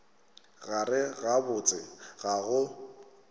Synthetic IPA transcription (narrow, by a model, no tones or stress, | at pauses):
ɣarɪɣabʊt͡sʼɪɣaɣʊ